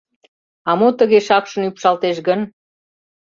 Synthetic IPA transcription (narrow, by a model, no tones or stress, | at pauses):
ɑmot̪əɣeʃɑkʃə̆nypʃɑlt̪eʃɣən